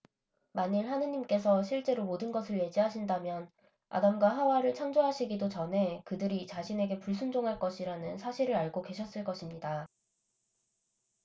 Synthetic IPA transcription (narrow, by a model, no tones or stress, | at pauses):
maɲiɭhanɯɲimk͈e̞s̬ʰʌɕ̬ʰiɭt͡ɕ͈e̞ɾomodɯnɡʌsʰɯɭje̞d͡ʑiɦaɕʰindamjʌn | a̰damɡwaɦawaɾɯɭt͡ɕʰaŋd͡ʑoɦaɕʰiɡidot͡ɕʌnɦe̞kɯdɯɾit͡ɕaɕʰine̞ɡe̞puɭs͈ʰund͡ʑoŋɦaɭk͈ʌɕʰiɾanɯnsʰaɕʰiɾɯɾaɭɡoke̞ɕʰʌs͈ɯɭk͈ʌɕʰimɲida